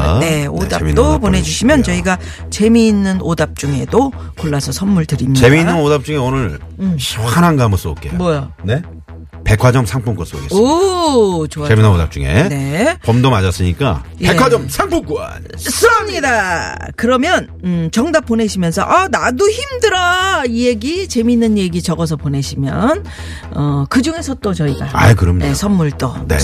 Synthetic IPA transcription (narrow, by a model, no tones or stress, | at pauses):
neodait͈opone̞d͡ʑuɕʰimjʌnt͡ɕʌiɡa | t͡ɕe̞miːnːɯnʔodap̚t͡ɕ͈uŋe̞dokoɭːasʰʌsʰʌnmuɭtɯɾiɲit͡ɕe̞miːnːɯnodap̚t͡ɕ͈uŋeonɯɭ | ɕananɡamʌs͈ɯp̚k͈emwʌjane̞ | pe̞kʰwad͡ʑʌmsʰaŋpʰuŋk͈os͈o̰keʌ | t͡ɕoaeinanoda̰p̚t͡ɕ͈uŋe̞̰ne̞pʌmdomad͡ʑas͈ɯɲik͈a̰pekʰwad͡ʑʌmsʰaŋpʰomk͈ua̰ | s͈ɯʌmɲidakɯɾʌmjʌn | ɯt͡ɕʌŋdap̚p͈one̞ɕʰimjʌnsʰʌ̰ʔʌnaduçimdɯɾʌije̞ɡit͡ɕe̞minːɯnje̞ɡit͡ɕʌɡʌs̬ʰʌpone̞ɕʰimjʌn | ʌkɯd͡ʑuŋe̞sʰʌt͈ot͡ɕʌiɡaa̰jkɯɾʌmɲinesʰʌmːuɭt͈onḛ